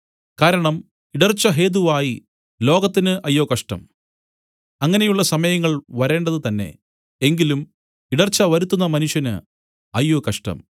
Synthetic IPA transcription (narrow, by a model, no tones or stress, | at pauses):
kaːɾɐɳɐm | iɽɐrt͡ɕːɐɦe̞ːð̬uʋaːji | lo̞ːɡɐt̪ːinɨʔɐjːoːkɐʂʈɐ̰m | ɐŋːɐne̞juɭːɐsɐmɐjɐŋːɐɭʋɐɾe̞ːɳɖɐðɨt̪ɐnːe̞̰ | eŋɡilum | iɽɐrt͡ɕːɐʋɐɾut̪ːunːɐmɐnuʂjɐnɨ̰ | ɐjːoːkɐʂʈɐ̰m